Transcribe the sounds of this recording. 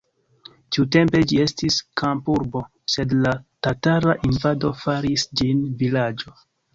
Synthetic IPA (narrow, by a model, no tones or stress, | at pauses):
tiute̞mpe̞d͡ʒie̞stiskʰampuɾbo̞ | se̞dlatataɾaʔinvado̞faɾisd͡ʒinvilad͡ʒo̞